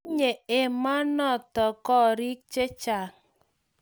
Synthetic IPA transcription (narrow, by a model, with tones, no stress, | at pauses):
ɲe˨e˨ma˦nɔ˦˨tɔ˨kɔ˦ɾi˦k̚t͡ʃe˦t͡ʃa˨